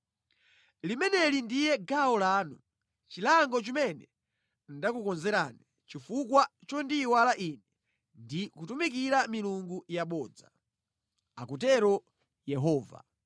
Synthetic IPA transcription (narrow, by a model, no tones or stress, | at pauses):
limɛnɛlindijɛɡaɔlaːnṵ | t͡ʃilaŋɡɔt͡ʃimɛnɛ | ndakukɔnzɛɾani | t͡ʃifukwat͡ʃɔndiwalaʔinɛ | ndikutumik̬iɾamiluŋɡujaɓɔːd͡za | akut̬ɛɾɔ | jɛɦɔːva̰